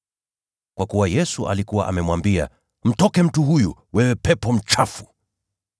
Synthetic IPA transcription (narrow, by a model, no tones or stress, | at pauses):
kwakuwajɛsuʔa̰likuwa̰ʔamɛmwambia̰ | m̩tɔkɛm̩tuɦujṵwɛwɛpɛpɔm̩t͡ʃafu̥